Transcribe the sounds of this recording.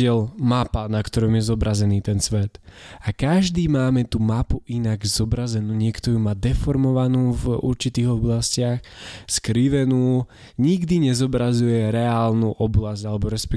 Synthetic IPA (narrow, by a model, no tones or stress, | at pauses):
ɪɛlmapanakt̪ɔɾɔmjɛzɔbɾazɛniːt̪ɛnsʋɛt̪akaʒd̪iːmaːmɛt̪umapuʔinaɡzɔbɾazɛnuːɲɪɛkt̪ɔjumaːd̪ɛfɔɾmɔʋanuːvṵɾt͡ʃit̪iːɣɔblascɪaxskɾiʋɛnuː | ɲiɡd̪iɲɛzɔbɾazujɛɾɛaːlnuːʔɔblazalɛbɔɾɛspɛ